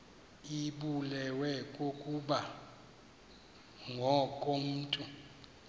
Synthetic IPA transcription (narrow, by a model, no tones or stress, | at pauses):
iɓulɛwɛkʼokʼuɓa | ŋʱɔkʼom̩ːtʼu